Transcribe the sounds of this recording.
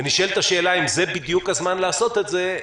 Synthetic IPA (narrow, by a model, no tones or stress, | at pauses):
aniʃoelt̪aʃe̞ːlaimzebid̪jukazmanlaːso̞t̪e̞t̪ze